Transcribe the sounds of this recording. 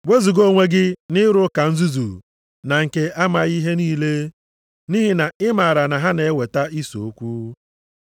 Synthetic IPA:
we˦zu˨ɡo˦ŋʷe˦ɡɪ˦nɪ˦ɾʊ˦ka˨n̩˦zu˦zu˨ | na˨ŋ̩˨ke˨ʔa˦ma˨ɣi˦ɦe˦niː˦le˦ | ni˦ɦi˨na˨ɪ˦ma˨ɾa˨na˨ɦa˦ne˨e˦we˨ta˦i˦so̰˨o˦kʷu˦

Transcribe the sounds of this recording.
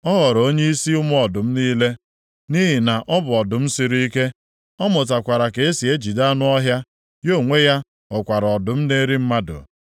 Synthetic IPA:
ɔ˦ɣɔ˨ɾo˦ɲe˦i˦si˦ʊ˦mʊ˦ɔ˨dʊ˨m̩˦niː˦le˦ | ni˦ɦi˨na˨ʔɔ˦bʊ˨ɔ˨dʊ˨m̩˦si˨ɾi˦i˦ke˦ | ɔ˦mʊ˨t̬a˨kʷa˨ɾa˨ke˨e˦si˨e˦d͡ʒi˨da˦nʊ˦ɔ˦ɦja˦ | jo˦˨ŋʷe˦ja˦ | ɔ˨kʷa˨ɾɔ˨dʊ˨m̩˦ne˦ɾi˦m̩˦ma˦dʊ̰˨

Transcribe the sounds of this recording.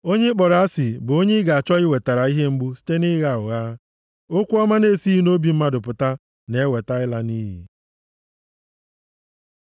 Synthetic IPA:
o˦ɲe˦k͡pɔ˨ɾa˨˦a˦sɪ˨bʊ˨o˦ɲe˦ɡa˨a˨t͡ʃɔ˦ɪ˦we˨ta˨ɾa˨i˦ɦe˦ŋ͡m̩˦ɡ͡bu˦si̥˦te˦nɪ˦ɣa˦ʊ˨ɣa˦ | o˦kʷu˦ɔ˦ma˦ne˦˨si˦ɦi˦no˦bi˨m̩˦ma˦dʊ˨pʊ˨ta˦ | ne˨˦we˨ta˦ɪ˦la˦niː˦ɦḭ˨

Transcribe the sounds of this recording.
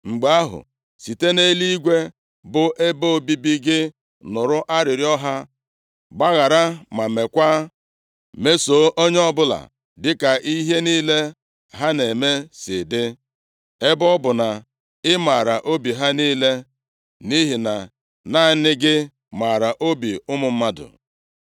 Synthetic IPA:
ŋ͡m̩˨ɡ͡ba˦a˦ɦʊ̰˨ | si˨te˦ne˦li˦ɡʷe˦ | bʊ˨ʔe˦bo˦o˨bi˦bi˦ɡɪ˦ | nʊ˨ɾʊ˦ʔa˦ɾɪ˨ɾɪ˦ɔ˦ɦa˦ | ɡ͡ba˦ɣa˨ɾa˦ma˨me˨kʷa˦ | me˦so˨˦ʔo˦ɲ˦ɔ˦bʊ˦la̰˨ | dɪ˦ka˨ʔi˦ɦe˦niː˦le˦ | ɦa˦ne˨me˦sɪ˨dɪ˦ | e˦bɔ˦bʊ˨na˨ | ɪ˦ma˨ɾa˨ʔo˦bi˨ɦa˦niː˦le˦ | ni˦ɦɪ˨na˨ | na˦˨˦nɪ˦ɡɪ˦ | ma˨ɾa˨ʔo˦bi˨ʊ˦mʊ˨m̩˦ma˦dʊ̰˨

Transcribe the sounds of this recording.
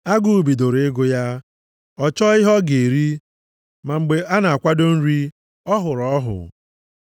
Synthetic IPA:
a˦ɡu˦˨u˨bi˨do˨ɾɪ˦ɡʊ˦ja˦ | ɔ˦t͡ʃɔ˦ɪ˦ɦɔ˦ɡe˨e˨ɾi˦ | ma˨ŋ͡m̩˨ɡ͡be˨ʔa˦na˨a˨kʷa˦do˦n̩˦ɾi˦ | ɔ˦ɦʊ˨ɾɔ˦ɦʊ̰˨

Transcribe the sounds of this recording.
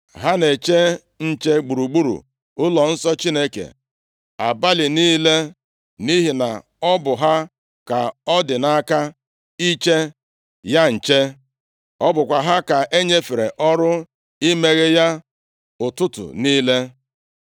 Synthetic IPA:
ɦa˦ne˨t͡ʃe˦ | n̩˦t͡ʃe˦ɡ͡bu˨ɾu˨ɡ͡bu˦ɾṵ˨ | ʊ˦lɔ˨n̩˦sɔ˦t͡ʃi˦ne˦kḛ˨ | a̰˨ba˦lɪ˨niː˦le˦ | ni˦ɦi˨na̰˨ | ɔ˦bʊ˨ɦa˦ | ka˨ɔ˦dɪ˨na˦ka˦ | i˦t͡ʃe˦ | ja˦n̩˨t͡ʃe˦ | ɔ˦bʊ˨kʷa˨ɦa˦ka˨ʔe˦ɲe˦fe˨ɾḛ˨ʔɔ˦ɾʊ˦ | i˦me˦ɣe˦ja˦ | ʊ˨tʊ˦tʊ̰˨niː˦le˦

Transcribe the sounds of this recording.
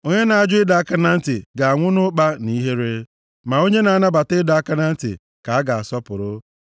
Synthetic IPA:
o˦ɲe˦na˨a˦d͡ʒʊ˦ɪ˦da˨˦a˦ka˦na˦n̩˦tɪ˨ɡa˨a˨ŋʷʊ˦nʊ˦k͡pa˦ni˦ɦe˦ɾe˦ | ma˨o˦ɲe˦na˨a˦na˦ba˨tɪ˦da˨a˦ka˦na˦n̩˦tɪ̰˨ | ka˨a˦ɡa˨a˨sɔ˦pʊ˨ɾʊ˦

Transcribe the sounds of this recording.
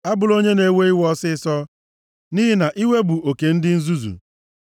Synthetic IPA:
a˦bʊ˨lo˦ɲe˦ne˨we˦i˦wɔ˦sɪ˦sɔ˦ | ni˦ɦɪ˦na˨ʔi˦we˦bu˨o˨ke˨n̩˦dɪ˦n̩˦zu˦zṵ˨

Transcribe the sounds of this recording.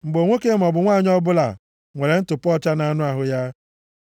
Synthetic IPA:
ŋ͡m̩˨ɡ͡bo˨ŋʷo˦ke˦mɔ˨bʊ˨ŋʷaː˦˨ɲ˦ɔ˦bʊ˦la̰˨ | ŋʷe˨ɾe˨n̩˦tʊ˨pɔ˦t͡ʃa˦na˦nʊ˦a˨ɦʊ˨ja˦

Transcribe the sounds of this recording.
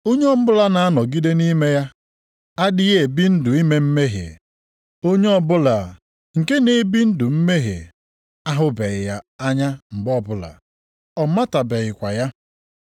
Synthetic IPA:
o˦ɲe˦ɔ˦m̩˦bʊ˦la˦na˨a˦nɔ˨ɡi˦de˦ni˦me˦ja˦ | a˦dɪ˦je˨bi˦n̩˦dʊ˨i˦me˦m̩˦me˦ɦḛ˨ | o˦ɲe˦ɔ˦bʊ˦la˨ | ŋ̩˨ke˦ne˨bi˦n̩˦dʊ˨m̩˦me˦ɦḛ˨ | a˦ɦʊ˦be˨ɣɪ˨ja˦a˦ɲa˦m̩˨ɡ͡bɔ˦bʊ˦la̰˨ | ɔ˨ma˦ta˨be˨ɣɪ˨kʷa˨ja˦

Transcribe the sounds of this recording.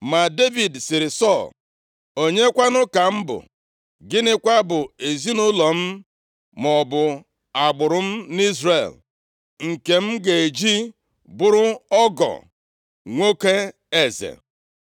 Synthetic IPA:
ma˨de˦vi˨dsɪ˨ɾɪ˨sɔ˦˨l | o˨ɲe˦kʷa˦nʊ˦ka˨m̩˦bʊ̰˨ | ɡɪ˦nɪ˦kʷa˦bʊ˨e˨zi˦nʊ˦lɔ˨m̩˦ | mɔ˨bʊ˨ | a˨ɡ͡bʊ˨ɾʊ˦m̩˦ni˦zre˨l | ŋ̩˨ke˨m̩˦ɡe˨e˨d͡ʒi˦ | bʊ˦ɾʊ˦ɔ˦ɡɔ̰˨ | ŋʷo˦ke˦ | e˨zḛ˨

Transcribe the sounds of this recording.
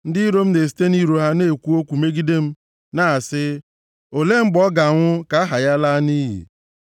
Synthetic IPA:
n̩˦dɪ˦i˦ɾo˦m̩˦ne˨s̬i̥˨te˦ni˦ɾo˨ɦa˦ne˦˨kʷu˦o˦kʷu˨me˦ɡi˦de˦m̩˦ | na˦a˨sɪ˦ | o˨le˦ŋ͡m̩˦ɡ͡bɔ˦ɡa˨ŋʷʊ˦ka˨a˦ɦa˨ja˦la˦ni˦ɦḭ˨

